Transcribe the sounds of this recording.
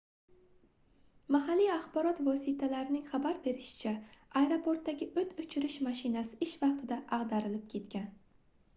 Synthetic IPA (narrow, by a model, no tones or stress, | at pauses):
maɦalːijaχbɒɾɒt̪vɒsit̪ʰalaɾɪnɪŋχabaɾbe̞ɾɪʃɪ̥t͡ʃʰaajɾopʰoɾt̪ːaɡʲɪʔɵt̪ʰʊt͡ʃʰɪɾɪʃmaʃɪnasɪɪʃvɑq̚t̪ʰɪd̪aʔɑʁd̪aɾɪlɪp̚kʲʰe̞t̪kʲan